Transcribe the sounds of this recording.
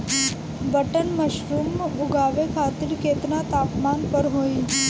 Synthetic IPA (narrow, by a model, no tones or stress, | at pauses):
bəʈənməʃɾumːʊɡʱaʋekʰat̪ɪɾket̪nat̪aːpmaːnpəɾɦoːi